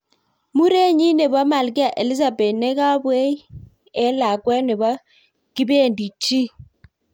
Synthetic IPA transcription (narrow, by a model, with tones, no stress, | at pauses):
mu˦ɾe˦ɲi˦ne˨ba˦ma˨lɡi˦a˨ʔe˨li˦za˨be˨tnɛ˦ka˦bwe˦ | ɛ˦la˨kwɛ˦ne˨ba˦ | ki˦be˦˨ndi˨t͡ʃi˦